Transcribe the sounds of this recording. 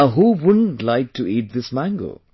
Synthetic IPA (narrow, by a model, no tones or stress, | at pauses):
ɦuwʊdə̃n̩tlaɪk̚tʰuiːt̚d̪ɪsmæ̃ŋɡo̰